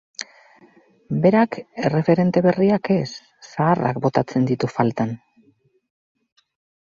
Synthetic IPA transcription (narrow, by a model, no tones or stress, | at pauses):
be̞ɾake̞re̞fe̞ɾe̞nt̪e̞βe̞riake̞sː | aːra̰kbo̞t̪at͡se̞nd̪it̪ufalt̪an